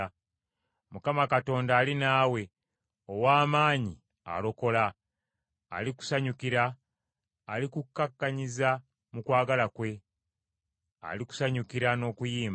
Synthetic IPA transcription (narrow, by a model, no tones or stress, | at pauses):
mukamakato̞ːndaːlinaːwe̞ | owaːmaːɲi | a̰lo̞ko̞la̰ː | liku̥saɲukiɾaː | likukːakːaɲiza | mukwaːɡalakwe̞ | a̰liku̥saɲukiɾano̞ːkujiːm